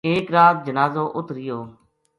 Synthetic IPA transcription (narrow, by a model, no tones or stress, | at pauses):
eːkɾaːt̪̚d͡ʒənaːzoːʔʊt̪ɾɪjoː